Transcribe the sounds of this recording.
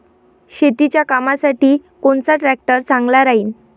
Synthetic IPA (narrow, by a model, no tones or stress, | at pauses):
ɕet̪it͡ɕjakamasaʈiːkoɳt͡saʈɾɛk̚ʈəɾt͡saŋɡlaɾaɦiːn